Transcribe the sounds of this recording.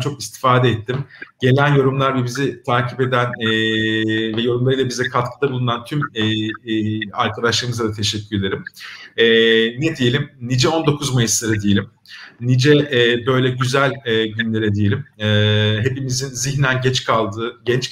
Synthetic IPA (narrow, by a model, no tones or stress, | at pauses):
t͡ʃʰo̞kist̪ʰi̥faːd̪ɛɛt̪ʰːimɟe̞lʲænjo̞ɾumlˠaɾbɛbizit̪ʰaːcʰipe̞d̪ænː | vɛjo̞ɾumlˠaɾɯjlˠabizɛkʰat̪kʰɯd̪abulˠunant̪ʰym | a̰ɾkʰad̪aʃlˠaɾɯmɯzˠad̪at̪ʰe̞ʃɛcʰːyɾed̪ʲe̞ɾimɛned̪ije̞lʲimnid͡ʒɛo̞nd̪o̞kʰuzmajɯslˠaɾɯd̪ijelʲim | nid͡ʒɛbø̞jlʲɛɟyzælʲɛɟynlʲe̞ɾɛd̪ijelʲimɛɦe̞pimizinziçnænɟɛt͡ʃkʰalˠd̪ɯːɟɛnt͡ʃ